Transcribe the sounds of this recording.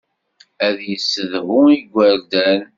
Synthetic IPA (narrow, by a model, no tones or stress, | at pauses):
æðjəsːəðhʊiɡʷəɾd̪æn